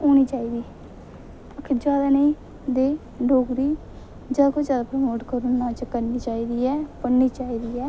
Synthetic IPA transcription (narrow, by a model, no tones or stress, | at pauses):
oːñiːt͡ʃaːiːd̪iː | əkʰɪd͡ʒjaːd̪aːnəĩː | d̪eː | ɖʱoːɡɾiː | d͡ʒaːkʰoːd͡ʒjaːd̪aːpɾəmoːʈkəɾonnaːt͡ʃkəɾniːt͡ʃaːiːd̪iːɛːpəniːt͡ʃaːiːd̪iːɛː